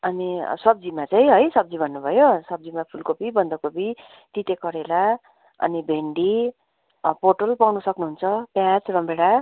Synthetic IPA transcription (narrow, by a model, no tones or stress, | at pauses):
ʌnisʌb̚d͡zimat͡saĩɦʌjsʌb̚d͡zibʱʌnːubʱʌjosʌb̚d͡zimapʰulkopibʌnd̪ʌkopi | t̪it̪ekʌɾela | ʌ̰nibʱeɳɖi | porʈʌlpawnusʌknuɦunt͡sʰʌpjat͡srʌmbeɽa